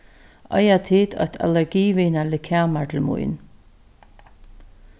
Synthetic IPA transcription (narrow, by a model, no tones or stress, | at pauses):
a̰jat̪ʰɪt̪ʰɔ̰ht̪ʰa̰lɛɹɡiːvɪnalɪkʰaːmaɹt̪ʰɪlmṵjn